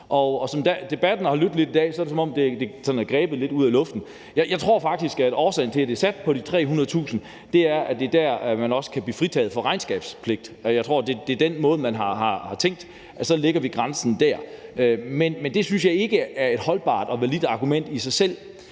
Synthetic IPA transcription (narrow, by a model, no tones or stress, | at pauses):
ʔɒ̽ɒ̽sɒ̽md̥æd̥e̝b̥æd̥n̩hɑ̈lyd̥le̝d̥id̥ɛ̰ːsɒ̽ɐd̥esɒ̽mɒ̽md̥e̝d̥e̝sɒ̽næɡ̥ʁɛːb̥ðle̝d̥uð̰ˠælɔ̽fd̥n̩ | jɑ̈ɪjɑ̈ɪt͡sʰʁo̝ɐ̰fɑ̈ɡ̥̚d̥isɡ̥æ̥ɒːsɛɪ̰n̩t͡sʰe̝læd̥e̝sæd̥̚pʰɒ̽ɾ̥it͡sʰʁɛ̰ːɦunɐð̩ˠt͡sʰṵːsn̩ | d̥e̝æɐʔæd̥e̝d̥æɐ̰mænɒ̽sə̥kʰæb̥liːfʁit͡sʰɛ̰ːð̩ˠfɒ̽ʁɑ̈ɪnsɡ̥ɛ̰ːb̥spʰle̝ɡ̥̚d̥jɑ̈ɪt͡sʰʁo̝ɐ̰d̥e̝d̥e̝d̥enmɔ̽ːð̞̩ˠmænɦɑ̈hɑ̈hɑ̈t͡sʰeŋ̰ɡ̥̚d̥ | ʔæsɒ̽le̝ɡ̥ɐʋiɡ̥ʁɑ̈nsn̩d̥æɐ̰ømenmend̥e̝syns̬jɑ̈ɪe̝ɡ̥əæɐe̝d̥hɒ̽lb̥ɑ̰̈ːd̥ɒ̽ʋælid̥ɑ̈ɡ̥umen̰d̥isɑ̈ɪsel̰